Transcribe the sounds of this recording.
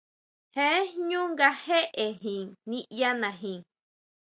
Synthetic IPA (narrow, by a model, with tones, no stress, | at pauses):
he˦ɲũ˦ŋɡa˧he˦ʔe˨ɦĩ˨nĩ˦ʔja˦nã˨ɦĩ˨